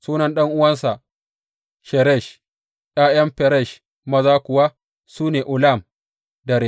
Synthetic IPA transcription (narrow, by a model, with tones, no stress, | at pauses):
suː˦nɐ˨nɗɐ˦ŋʔʊ˦wɐ˦nsa˨ | ʃɛ˨ɾɛ˦˨ʃ | ʔaː˦jɐ˦mɸɛ˨ɾɛ˦˨ʃ | mɐ˦zaː˦kʷʊ˨wa˦ | suː˦neː˨ʔʊ˨la˦˨m | dɐ˨ɾe˨